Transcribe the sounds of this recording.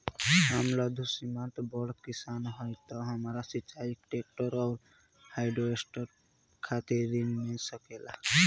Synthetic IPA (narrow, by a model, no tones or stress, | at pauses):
ɦəmlɔd̪ʱusimãt̪bɔɽkisanɦɔjt̪ɔɦəmɾasit͡ʃaikʈek̚ʈəɾɔʊɾ | hajɖoesʈəɾ | kʰat̪eɾinmesəkela̰